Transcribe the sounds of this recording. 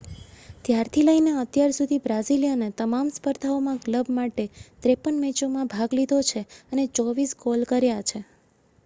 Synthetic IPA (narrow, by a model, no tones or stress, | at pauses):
t̪jaɾt̪ʰiləineət̪jaɾsud̪ʱibɾaziljənet̪əmamspəɾd̪ʱaomãkləbmaʈet̪ɾepənmɛt͡ʃomãbʱaɡlid̪ʱot͡ʃʰeənet͡ʃɔʋiskolkəɾjat͡ʃʰe